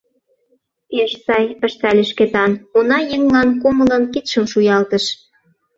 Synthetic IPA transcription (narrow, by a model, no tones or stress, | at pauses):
peʃsɑjpə̆ʃt̪ælʲeʃket̪ɑnonɑjəŋlɑnkomə̆lə̆nkit̪ʃəmʃujɑlt̪ə̆ʃ